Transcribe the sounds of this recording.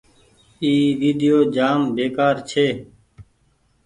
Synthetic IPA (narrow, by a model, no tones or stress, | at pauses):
iːʋiːd̪ɪjoːd͡ʒaːmbeːkaːɾt͡ʃʰeː